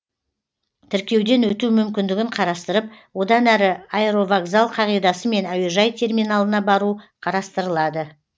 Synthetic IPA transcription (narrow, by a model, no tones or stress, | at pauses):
t̪ʰɪɾkʲe̞wd̪e̞nwɵt̪umʏmkʲɪnd̪ɪɡʲɪɴqʰɑɾɑst̪əɾəp̚wo̞d̪ɑnæɾɪaeɾo̞vaɡzalˠqʰɑʁijd̪ɑsəme̞næweʒɑjt̪ʰe̞rmijnalˠənɑbɑɾuqʰɑɾɑst̪əɾəlˠɑd̪ə